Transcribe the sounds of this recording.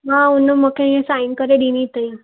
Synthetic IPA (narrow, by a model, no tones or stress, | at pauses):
ɦãunːəməkʰẽjẽsainkəɾeɖinit̪əjã